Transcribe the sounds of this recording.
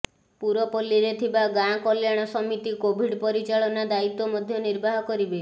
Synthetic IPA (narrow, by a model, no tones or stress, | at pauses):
puɾɔpɔlːiɾet̪ʰibaɡãkɔljaɽ̃ɔsɔmit̪ikobʱiɖpɔɾit͡ʃaɭɔnad̪ait̪ːɔmɔd̪ʱjɔniɾbaɦɔkɔɾibe